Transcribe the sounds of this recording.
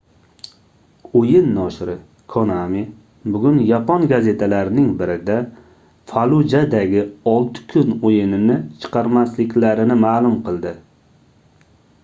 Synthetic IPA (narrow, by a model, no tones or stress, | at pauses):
ojɪnːɒʃɾɪ | kʰonami | bʊɡʲʊnjapɒnɡaze̞t̪ʰalaɾɪnɪŋbɪɾɪd̪a | falˠud͡ʒad̪aɡʲɪɒlˠt̪ʰɪ̥kʰʊnojɪnɪnɪt͡ʃʰɨ̥qɑɾmaslɪkʲlaɾɪnɪmaːlˠʊmqʰɨlˠd̪ɪ